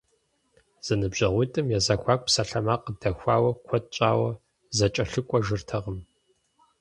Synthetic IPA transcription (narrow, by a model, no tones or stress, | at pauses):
z̥ɐnɨbʑɐʁʷitʼɨmjɛzɐxʷaːkʷʼpsɐɬɐmaːqəd̥ɐxʷaːwɐkʷʰɔt̚ʼt͡ʃʼaːwɐ | zɐt͡ʃʼɐɬɨkʷʼɔʒɨrtʰɐʁəm